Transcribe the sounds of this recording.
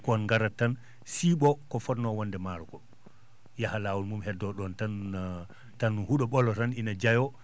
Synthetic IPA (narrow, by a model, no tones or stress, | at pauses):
kːnŋɡaɾatːan | siːɓɔkɔfɔtnɔwɔndɛmaɾukɔ | jahalawulmumhɛdːɔɗɔntan | tanhuɗɔɓɔlɔtaninad͡ʒajɔ